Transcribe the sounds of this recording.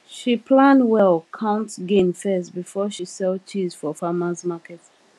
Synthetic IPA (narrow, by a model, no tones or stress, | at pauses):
ʃipʰlãndwɛlˠkʰãʊ̃ntɡẽmfɛstbifɔʃisɛltʰizfɔfamãsmakɛt